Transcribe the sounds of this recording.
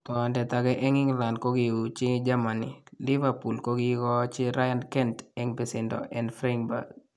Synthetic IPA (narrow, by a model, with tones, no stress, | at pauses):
t̪ɔndɛ˨t̪a˨ɡɛ˦ʔɛ˦ŋɪ˦ŋla˨ndko˦ɡi˨u˨t͡ʃɪ˦d͡ʒa˦manḭlɪ˦vapu˨lko˦ɡikɔ˦t͡ʃɪ˦ɾa˦ja˦nkɛ˦ntɛŋpɪ˨sɪndɔ̰˨ʔɛ˨nfɾa˦ŋba̰˨k